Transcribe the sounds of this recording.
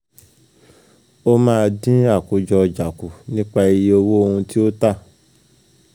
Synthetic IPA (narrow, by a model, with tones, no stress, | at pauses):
o˦mãː˦˧dĩ˦a˦˨ku˨d͡ʒɔ˧d͡ʒa˨ku˨nĩ˦k͡pa˦˧i˧je˨˦o˧wo˦o˧hũ˧ti˦o˦ta˦˨